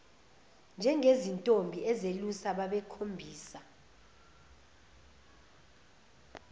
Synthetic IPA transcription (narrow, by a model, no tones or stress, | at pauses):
nd͡ʒʱɛŋezintʼombʱiʔɛzelusaɓaɓɛkʰombʱiːsa